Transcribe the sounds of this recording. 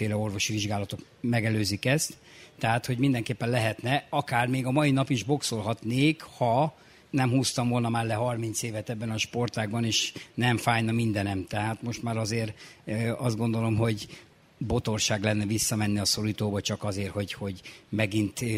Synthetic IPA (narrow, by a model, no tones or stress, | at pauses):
eːlɛo̞rvo̞ʃiʋiʒɡaːlɒt̪ok | mɛɡɛløːzikɛst̪ː | ɛɦaːt̪ho̞ɟmind̪ɛŋkeːpːɛnlɛɦɛt̪nɛɒkaːrmeːɡɒmɒjinɒpiʒbo̞kso̞lɦɒt̪neːkhɒ | nɛmhuːst̪ɒɱvo̞lnɒmaːrlɛɦɒrmint̪seːvɛt̪ɛbːɛnɒʃpo̞rt̪aːɡbɒneːʃnɛɱfaːjnɒmind̪ɛnɛmt̪ɛɦaːt̪mo̞ʃt̪maːɾɒzeːr | ɒzd̪ɡo̞nd̪o̞lo̞mɦo̞ɟ | bo̞t̪o̞rʃaːɡlɛnːɛvisːɒmɛnːiɒso̞ɾit̪oːbɒt͡ʃɒkɒzeːrho̞ɟho̞ɟmɛɡint̪